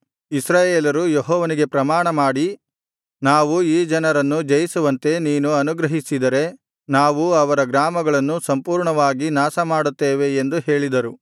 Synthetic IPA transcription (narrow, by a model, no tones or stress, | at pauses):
isɾaːjeːlɐɾujeɦɔːʋɐniɡe̞pɾɐmaːɳɐmaːɽi | naːʋuiːd͡ʒɐnɐɾɐnːud͡ʒɐjisuʋɐnt̪e̞niːnuɐnuɡɾɐɦisid̪ɐɾe̞ | naːʋuɐʋɐɾɐɡɾaːmɐɡɐɭɐnːusɐmpuːɾɳɐʋaːɡinaːsɐmaːɽut̪ːeːʋe̞ːnd̪uɦe̞ːɭid̪ɐɾu